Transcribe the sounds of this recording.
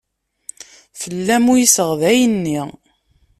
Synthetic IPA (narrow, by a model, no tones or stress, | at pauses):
fəlːæmujisəʁðæjənːi